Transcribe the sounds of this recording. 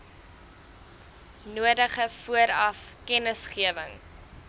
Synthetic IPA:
nuədəχəfuəɾɐfkɛnəsχiəvəŋ

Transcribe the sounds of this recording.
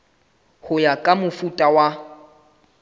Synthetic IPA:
hʊjakʼamʊfutʼawa

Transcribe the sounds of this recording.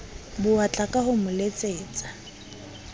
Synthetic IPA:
bʊat͡ɬʼakʼaɦʊmʊlet͡sʼeːt͡sʼḁ

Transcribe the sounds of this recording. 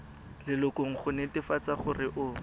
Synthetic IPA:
lɪlʊkoŋ̩χʊnetɪfat͡saχʊrɪʔʊ

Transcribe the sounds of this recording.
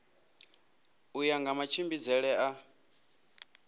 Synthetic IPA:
ujaŋɡamat͡ʃʰimbid͡zɛɺɛʔa

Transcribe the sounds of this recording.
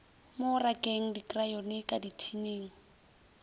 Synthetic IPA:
mʊrakʼeŋ̩dikʼrajɔnɪkʼaditʰineːŋ̩

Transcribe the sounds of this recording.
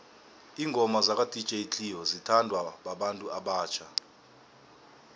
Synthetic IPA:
iːŋɡʱɔmazak̬ʼadʼʱi̥t͡ʃʼeit͡ɬʰʼiɦɔzitʰandʱwaɓaɓantʼuʔaɓaːt͡ʃʰa

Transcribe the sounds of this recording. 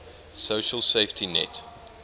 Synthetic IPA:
soʊʃəlˠseɪftʰinɛ̰t

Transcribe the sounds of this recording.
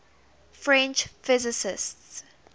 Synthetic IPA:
fɹɛ̃nt͡ʃfɪzɪsɪsts

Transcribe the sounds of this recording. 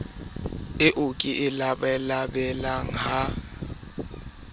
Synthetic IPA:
ɪʔʊkʼɪʔɪlabɛlabɛlaŋ̩ɦa

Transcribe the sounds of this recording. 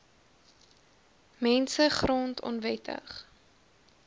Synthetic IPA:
mɛnsəχrɔntʰɔ̰nvɛtʰə̰χ

